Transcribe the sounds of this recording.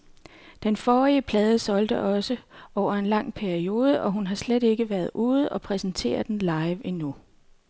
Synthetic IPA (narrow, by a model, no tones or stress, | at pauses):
d̥enfɒːʁiəpʰlɛːð̞ˠəsɒ̽ld̥əʔɒ̽səʔɒʊ̰ɐe̝nlɑ̈ŋ̰pʰæɐio̝ːð̞ˠəʔɒ̽ɦunɦɑ̈sled̥e̝ɡ̥əʋæɐð̞ˠʔuːð̞̩ˠɒ̽pʰʁɛsn̩t͡sʰe̝̰ːɐd̥enlɑ̈ɪʋenu